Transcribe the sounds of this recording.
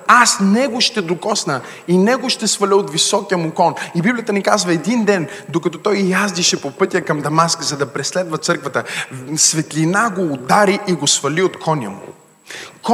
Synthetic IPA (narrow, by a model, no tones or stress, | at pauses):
asnɛɡoʃt̪ɛd̪okɔsnə | inɛɡoʃt̪ɛsfɐlʲəot̪visɔkijəmʊkɔnibiblʲijət̪ənikazvɐɛd̪ind̪ɛnd̪okɐt̪ɔt̪ɔjjazd̪iʃɛpopɤt̪ʲijəkɐmd̪ɐmaskəzɐd̪ɐpɾɛslɛd̪vət̪sɤɾkvət̪əsvɛt̪linaɡoːd̪aɾiʔiɡosfɐliot̪kʰɔnʲjə̰mṵ | k